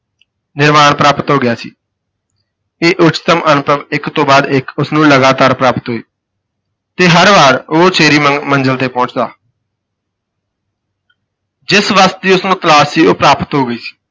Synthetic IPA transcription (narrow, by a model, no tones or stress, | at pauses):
nɪɾmaːɳpɾaːpət̪ɦoːɡɪjaːsḭː | eːʔʊt͡ʃt̪əmʔənʊpəʋɪkt̪õːbaːd̪ɪkʊsnũːləɡaːt̪aːɾpɾaːpət̪ɦoːiː | t̪eːɦəɾʋaːɾoːt͡ʃʰeːɾiːmənd͡ʒəlt̪eːpɔ̃ːt͡ʃd̪a̰ː | d͡ʒɪsʋəst̪̚d̪iːʊsnũːt̪əlaːsiːoːpɾaːpət̪ɦoːɡəiːsi̥ː